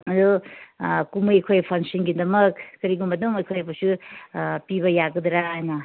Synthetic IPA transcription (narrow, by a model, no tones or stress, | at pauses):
ɐd̪u | kumujɐjkʰojpʰaŋsinɡidɐmɐkːɐɾiɡumbɐdumɐjkʰojɐpusu | pibɐjaɡɐd̪ɾajnɐ